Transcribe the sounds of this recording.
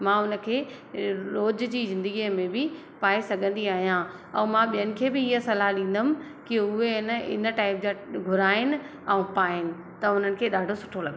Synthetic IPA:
mãʊnə̆kʰeː | ɾoːd͡ʑd͡ʑiːzɪ̃nd̪əɡiəmẽbɪ | paːesɐɡʱə̃nd̪iaːɦijã | ɛ̃ːmãɓijənɪ̆kʰeːbɪɪɦəsɐlaɦɗĩːn̆d̪əmɪ̆ | kɪʊɦeɪnəɪ̰nəʈaːɪp̚d͡ʑãɡʱʊɾaːɪnɪ̆ | ɛ̃ũpaːɪnɪ̆ | t̪ɐʊn̤ənɪ̆kʰeːɗaːɖʱosʊʈʰolɐɡ

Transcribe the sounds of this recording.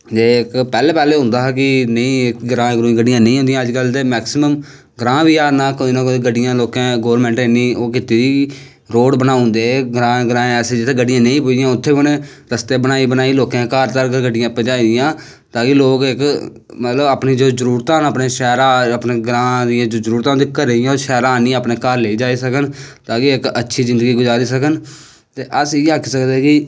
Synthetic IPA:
d͡ʒeːɪkpɛːleːpɛːleːɦʊ̃nd̪aːɦk̬ɪnəĩːɪkɡəɾãːkɾõĩːɡəɖɪjãːnə̃ĩːɦõnd̪ɪjãːəd͡ʒkəlt̪eːmɛːksɪməm | ɡɾãːbiːaːnãːkoːinõːɡəɖɪjãːloːkãːɡoːʋəɾmɛ̃ːɳʈɪnːĩːoːkɪt̪iːd̪iː | ɾoːɽbənaːʊ̃nd̪eːɡɾãːɡəɾãːẽːɛːseːd͡ʒɪt̪ʰeːɡəɖɪjãːnə̃ĩːpʊd̪ɪjãːʊt̪ʰːeːbneɾəst̪eːbənaːiːbənaːiːloːkãːkaːɾt̪əɾɡəɡəɖɪjãːpəd͡ʒaːid̪ɪjãː | t̪aːkɪloːkɪk | mət̪ləbaːpniːd͡ʒoːzəɾuːɾt̪ãːnəːpneːʃɛːɾãːəpneːɡɾãːd̪ɪjãːd͡ʒoːzəɾuːɾt̪ãːõnd̪iːkəɾeɪjãːʃɛːɾãːnĩːaːpneːkaːɾleiːd͡ʒaːiːsəkənt̪aːkɪɪkətːʃʰiːzɪ̃nd̪əɡiːɡʊzaːɾiːsəkən | t̪eːʔəsɪeakʰisəkd̪eːkɪ

